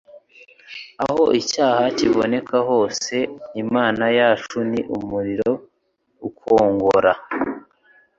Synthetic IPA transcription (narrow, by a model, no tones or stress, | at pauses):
aho̞ʔicaːhaciβone̞kaɦo̞ːse̞nimaːnajaːt͡ʃuniʔumuɾiɾo̞ | ukʰoːŋɡoɾa